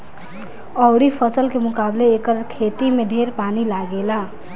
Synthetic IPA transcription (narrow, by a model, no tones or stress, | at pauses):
əwɽipʰəsəlkemʊkableːkəɾkʰet̪imeɖʱeɾpanilaɡela